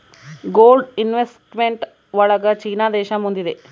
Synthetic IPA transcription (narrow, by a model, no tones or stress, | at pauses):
ɡoːlɖinʋesʈmeɳʈ | ʋɔɭɐɡɐt͡ʃiːnaːd̪ɛːʃɐmund̪id̪e